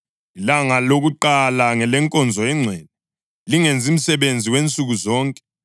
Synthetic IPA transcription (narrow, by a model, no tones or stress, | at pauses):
ilaŋaloɣuǃalaŋɛlɛŋkʼɔnd͡zʱɔɛŋ͡ǀʱɛd̚ɛ | liŋend͡zʱim̩sɛβend͡zʱiwent͡sʼuɣuzɔːŋkʼɛ